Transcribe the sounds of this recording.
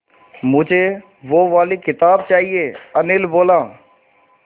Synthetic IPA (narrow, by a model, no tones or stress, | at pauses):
mʊd͡ʒʱe | ʋoʋaːlikɪt̪aːb̚t͡ʃaːɦieənɪlboːlaː